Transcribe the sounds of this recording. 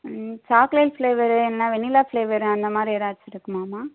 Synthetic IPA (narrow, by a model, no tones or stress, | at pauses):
t͡ʃaːkleːlfleːʋɐɾɯɛnːaːʋɛɳːilaːfleːʋɐɾɯ̃ɐnd̪ɐmaːd̪ɾieːɾaːɾt͡ʃːɪɾɯkːɯmaːmaː